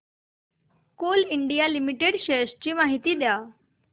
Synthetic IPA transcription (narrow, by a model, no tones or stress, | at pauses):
koliɳɖijalimiʈeɽɕeɕt͡ɕiːmaɦit̪iːd̪ja